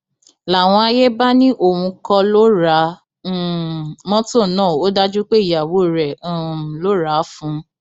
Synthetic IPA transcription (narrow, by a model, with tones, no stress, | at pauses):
la˨w̃ɔ̃˧a˧je˦ba˦nĩ˦ʔo˦˨wũ˧kɔ˧lo˦ɾa˨˦˨ | mɔ̃˦to˦˨nãː˦˨o˦da˦d͡ʒu˦k͡pe˦i˨ja˨wo˨˦˨ɾɛ̃˨˦˨lo˦ɾa˨˦fũ˨˦